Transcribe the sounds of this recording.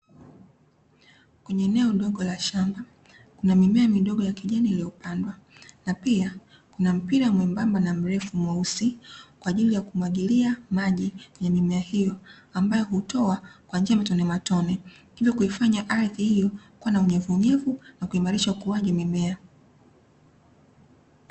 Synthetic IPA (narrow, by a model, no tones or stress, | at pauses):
kwɛɲɛːnɛɔɗɔɠɔlaʃamba | kunamimɛamiɗɔɠɔjakiʄanilijɔpandwanapia | kunam̩piɾamwɛmbambanam̩ɾɛfumwausikwaːʄilijakumwaɠiliamaʄijamimɛahijɔ | ambajɔhutɔakwand͡ʒiamatɔnɛmatɔnɛ | hivjɔkuifaɲaʔaɾθihijɔkuanauɲɛvuːɲɛvunakuimaɾiʃaukuaʄɛmimɛa